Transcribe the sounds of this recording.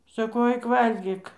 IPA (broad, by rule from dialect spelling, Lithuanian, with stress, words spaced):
sɐˈkɐʊ ˈɐɪk ˈʋɐlʲɡʲiːk